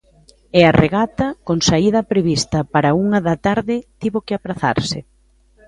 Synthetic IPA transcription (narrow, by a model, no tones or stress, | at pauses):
earʔeɣat̪ɐkoŋsaiðɐpɾeβist̪ɐpaɾɐuŋɐðɐt̪aɾðɪt̪iβokɪapɾaθa̰ɾsɪ